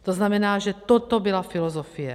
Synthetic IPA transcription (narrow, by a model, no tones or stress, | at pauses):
t̪oznamɛnaːʒɛt̪ɔt̪ɔbilafilɔzɔfijɛ̰